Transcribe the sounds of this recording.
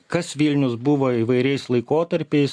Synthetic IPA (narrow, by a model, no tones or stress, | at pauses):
kɐsʋʲɪlʲnʲʊsbʊʋoːiːʋɐɪɾʲɛɪslˠɐɪkoːt̪ɐɾʲpʲɛɪs